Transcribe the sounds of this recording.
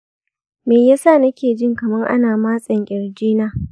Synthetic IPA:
meː˨jaː˦saː˦˨nɐ˦kʲeː˨d͡ʒɪ˦ŋkɐ˨mɐ˦ŋʔa̰˦naː˨maː˦sʼɐ˨ŋkʲʼɪ˨ɾd͡ʒiː˦naː˦

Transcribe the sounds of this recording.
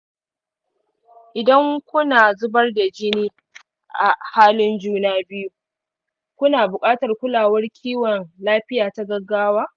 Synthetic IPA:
ʔɪ˨dɐ˦ŋkʷʊ˦naː˨zʊ˦bɐ˦rda˨d͡ʒɪ˦niː˦ | ʔa˨haː˦lɪ˦nd͡ʒuː˦naː˦bɪ˦ju˦ | kʷʊ˦naː˨bʊ˨kʼaː˦tɐ˨rkʷʊ˦laː˨wɐ˦rkʲʰiː˦wɔ˨nlaː˦ɸɪ˦jaː˨ta˦ɡɐ˦ɡːaː˦waː˦

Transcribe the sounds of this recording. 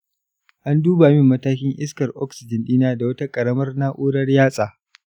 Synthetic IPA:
ʔa˦nduː˦baː˨mɪ˦mːɐ˦taː˦kʲɪ˦ŋʔɪ˦skɐ˨rʔɔ̰˦ksɪ˨d͡ʒɪ˨nɗiː˦naː˦da˨wɐ˦ta˦kʼɐ˨ɽɐ˦mɐ˦rna˦ʔoː˦ɽɐ˦rjaː˦sʼaː˨

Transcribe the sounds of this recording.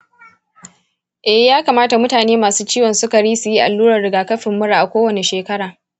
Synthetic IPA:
ʔɛ˨hjaː˦ka˨maː˦ta˨mʊ˦taː˨neː˦maː˨suː˦t͡ʃiː˦wɔ˨nsʊ˦ka˨ɽiː˦su˨ji˦ʔa̰˨lːuː˦ɾɐ˨rɽɪ˨ɡaː˨kɐ˦ɸɪ˨mːʊ˦ɽaː˨ʔa˨kʷoː˦wɐ˨ne˨ʃeː˨kɐ˦ɽaː˨

